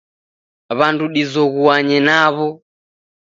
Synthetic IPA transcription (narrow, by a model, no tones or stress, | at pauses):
βanduɗizɔɣuaɲɛnaβɔ